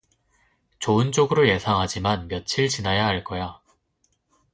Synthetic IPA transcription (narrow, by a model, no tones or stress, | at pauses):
t͡ɕoɯnt͡ɕ͈oɡɯɾoje̞sʰaŋɦad͡ʑimanmjʌt͡ɕʰiɭt͡ɕinajaɦaɭk͈ʌja